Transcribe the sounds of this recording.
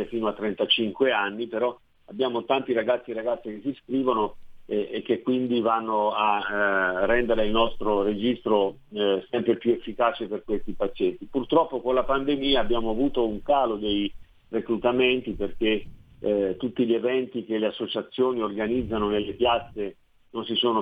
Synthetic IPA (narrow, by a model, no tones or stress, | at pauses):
efiːnoat̪ːɾɛnt̪at͡ʃiŋkweanːipeɾɔ | abːjaːmot̪ant̪iɾaɡat̪sːieɾaɡat̪sːik̟esːiskɾiːvonoeek̟ːekːwind̪ivanːoa | rːɛnd̪eɾeilnɔst̪ɾoɾed͡ʒist̪ɾo | sɛmpɾepjuefːikaːt͡ʃeperkwest̪ipat͡ʃːɛt̪ːipurt̪ɾɔpːokonlapand̪emiːaːbːjaːmoavuːt̪ouŋkaːlod̪ej | rekɾut̪ament̪iperk̟e | t̪ːut̪ːiʎevɛnt̪ikeleasːot͡ʃat̪sːjoːniorɡanid̪zːanonelːepjat̪sːe | nonsisoːno